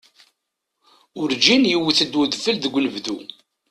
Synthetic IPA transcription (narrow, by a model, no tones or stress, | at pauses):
ʊɾd͡ʒinjiwiθəd̪wəðfəlðəɡʷːnəvðu